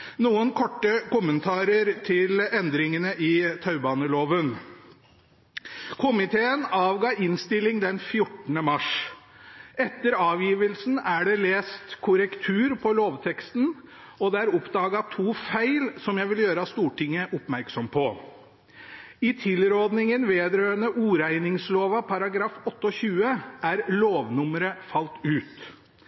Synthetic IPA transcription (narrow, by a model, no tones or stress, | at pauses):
nuːənkʰɔʈːəkʊmːənt̪ʰɑːɾəɾt̪ʰɪlɛnd̪ɾɪŋənəʔɪt̪ʰɑʉbɑːnəloːʋən | kʰʊmɪt̪ʰeːənɑːʋɡɑːɪnst̪ɪlɪŋd̪ɛnfjʊʈːnəmɑʂ | ʔɛt̪ːəɾɑːʋjiːʋəlsn̩æɖɛleːst̪kʰʊɾəkt̪ʰʉːɾpʰɔloːʋt̪ʰɛkst̪n̩ | ɔd̪ɛæɾɔpd̪ɑːɡɑt̪ʰuːfæɪlsɔmjæɪʋɪljøːɾɑst̪uːʈɪŋːəʔʊpmæɾksɔmpʰɔ | ɪt̪ʰɪlɾɔɾd̪nɪŋənʋeːd̪ɾøːənəʔuːɾæɪnɪŋsloːʋɑpʰɑɾɑɡɾɑːfɔt̪ːəɔɕʉːəʔæɾloːʋnʊməɾəfɑlt̪ʉːt̪